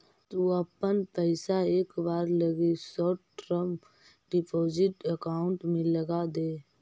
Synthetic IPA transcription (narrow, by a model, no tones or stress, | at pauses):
t̪oəpənpɛɪsaeːkbaːɾləɡesɔːʈɾə̃mp | ɖɪpʰoːd͡ʒɪʈəkaːʊɳʈmẽləɡad̪eː